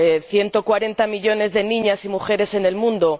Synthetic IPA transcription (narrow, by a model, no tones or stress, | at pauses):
θje̞nt̪o̞kwaɾe̞nt̪amiʎo̞ne̞zðe̞nĩɲasimuxe̞ɾe̞se̞ne̞lmũnd̪o